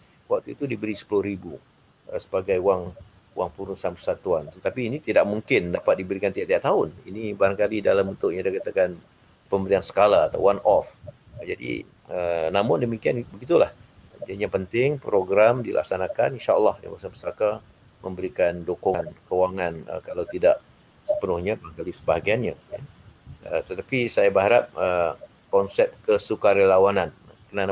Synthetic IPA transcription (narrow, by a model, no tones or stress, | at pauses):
wak̚t̪uit̪udibəɾisə̥pulʊhɾibu | ə̰sə̥baɡajuwaŋ | waŋpuɾusanpərsat̪uant̪ət̪apiːnit̪idaʔ̚muŋkɪndapat̪̚dibəɾikant̪iaʔt̪iaʔt̪aʊnḭnibaɾaŋkalidalambənt̪ʊʔjadakat̪akan | pəmbəɾiansə̥kalaːt̪a̰wwanʔɔ̰f | d͡ʒadḭ | ənamʊndəmikianbəɡit̪ula̰h | diaɲãpənt̪ɪŋpɾoɡɾamdilʔa̰ksanakaninʃaəlːɑhjã̰basapəsaka | mʔə̃mbəɾikandokʊnkəwaŋanə̰kalawt̪idaʔ | sə̥pənʊhɲabəlaŋkalisəbaɦaɡijanɲaja̰ | ə̰t̪ət̪apisajabəɦaɾap̚ə | kɔnsɛp̚kəsukaɾəlawanan | kənan